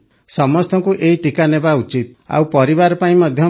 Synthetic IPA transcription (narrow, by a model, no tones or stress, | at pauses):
sɔmɔst̪ɔŋkuʔeiʈikanebaut͡ʃit̪̚a̰wpɔɾiβaɾɔpaĩmɔd̪ʱjɔ